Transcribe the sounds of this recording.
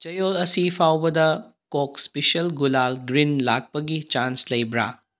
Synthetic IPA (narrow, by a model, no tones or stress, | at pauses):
t͡ʃɐjolɐsipʰawbɐd̪ɐ | kokspesiɐlɡulalɡɾinlak̚pɐɡit͡ʃanslɐjbɾa̰